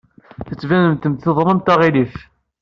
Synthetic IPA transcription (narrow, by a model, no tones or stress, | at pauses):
θət͡sːvænəmt̪əmt̪θeðˤɾˤɑmt̪æʁilif